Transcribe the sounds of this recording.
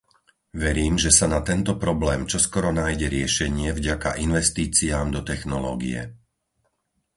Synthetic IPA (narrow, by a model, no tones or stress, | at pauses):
ʋɛɾiːmʒɛsanat̪ɛnt̪ɔpɾɔblɛːmt͡ʃɔskɔɾɔnaːjɟɛɾɪɛʃɛɲɪɛvɟakaʔinʋɛst̪iːt͡siaːmd̪ɔt̪ɛxnɔlɔ̰ːɡḭɛ̰